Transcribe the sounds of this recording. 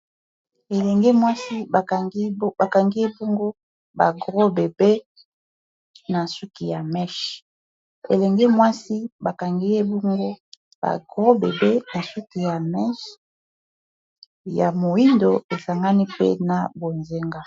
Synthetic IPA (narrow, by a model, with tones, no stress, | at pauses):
e˨lɛ˨ŋɡɛ˦mwa˦si˦ba˨˦ba˨ka˨ŋɡi˦e˦bo˦ŋɡo˦ | ba̰˨ɡʁo˦be˨be˦ | na˨su˦ki˨ja˨mɛ˦ʃ | ḛ˨lɛ˨ŋɡɛ˦mwa˦si˦ba˨ka˨ŋɡi˦e˦bo˦ŋɡo˦ | ba̰˨ɡʁo˦be˨be˦na˨su˦ki˨ja˨mɛ˦ʃ | ja̰˨mo˨i˦ndo˨e˨sa˨ŋɡa˦ni˦pḛ˦na˨bo˨nze˦ŋɡa˦